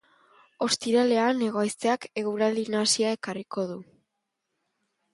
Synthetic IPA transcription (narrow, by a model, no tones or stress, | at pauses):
o̞st̪iɾale̞ane̞ɣ̞ojst̪e̞ake̞ɣuɾald̪inasiae̞kariko̞ð̞u